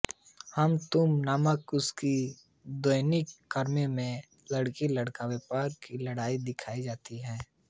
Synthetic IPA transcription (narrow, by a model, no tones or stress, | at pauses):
həmt̪ʊmnaːməkʊski | d̪oːjnɪkːəɾmemẽ | lɐɽkiləɽkaweːpaːɾkilɐɽaːid̪ɪkʰaːid͡ʒaːt̪iɦɛ̃ː